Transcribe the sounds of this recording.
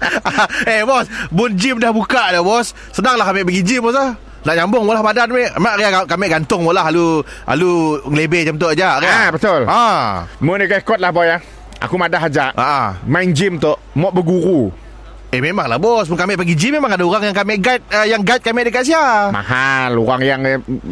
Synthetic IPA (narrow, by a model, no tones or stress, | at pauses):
ebɔsbʊnd͡ʒɪmdahbukaʔdabɔs | sənaŋlahkamɛʔpəɡid͡ʒɪmbɔs̬lah | naʔɲambʊŋmoʔlahbadanmɛʔmaʔɾiaɡakamɛʔɡant̪ʊŋmoʔlaɦalu | a̰luŋəlebɛd͡ʒamt̪̬ʊʔad͡ʒaʔɾiabət̪ʊlamunikaikɔt̪̚lahbɔja | ʔa̰kumadaɦad͡ʒaʔʔa̰ʔa̰majnd͡ʒɪmt̪oʔmɔʔbəɡuɾu | ememaŋla̰hbɔs̬mʊnkamɛʔpəɡid͡ʒɪmːemaŋadauɾaŋjaŋkamɛʔɡat̪̚əjaŋɡait̪̚kamɛʔdəkaʔs̬iama̰haluɾaŋjaŋ